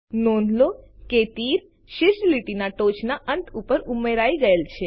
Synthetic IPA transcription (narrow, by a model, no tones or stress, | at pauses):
nonloket̪iɾ | ʃɪɾʃliʈinaʈot͡ʃʰnaʔənt̪ʰupəɾumeɾaiɡəelt͡ʃʰe